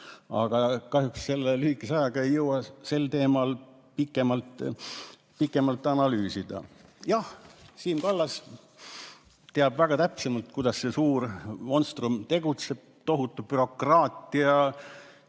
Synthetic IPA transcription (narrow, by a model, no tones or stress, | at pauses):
ɑɡ̥ɑkɑɦjuksse̞lːelyhikːˑesɑjɑɡ̥ɑe̞jːɤwɑse̞lt̪e̞ːmɑl | pikːˑe̞mɑlt̪ˑ | pikːˑe̞mɑlt̪ːˑɑnɑlyːsid̪̥ɑ̰jɑhsiːmkɑlːɑs | t̪eɑbvæɡ̥ɑt̪æpsemɑlt̪̚kujd̪ɑsse̞suːɾmo̞nst̪rumt̪e̞ɡ̥ut̪se̞b̥̚t̪o̞ɦut̪ːˑub̥yɾo̞krɑːt̪ˑiɑ